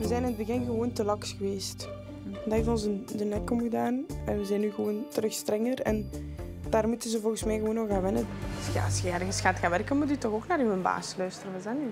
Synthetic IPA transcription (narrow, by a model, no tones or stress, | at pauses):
ʋəzɛjnɪnəd̚bəɣɪnɣəʋoːntəlɑksxəʋeːst | ndaɦɪvənɔnzdənɛkɔmɣədaːnɛʋəzɛjnːyːɣəʋoːntərɵxstrɛŋərɛ̰n | d̥aːrmutənzəvɔlˠɣəsmɛjɣəʋoːnɔxaːʋɪnəəɑ̰sxəɛrɣəsxaːtxaːnʋɛrkənmut̬ytɔxoːknaːɾymənba̰ːslœɥstərəʋɑzany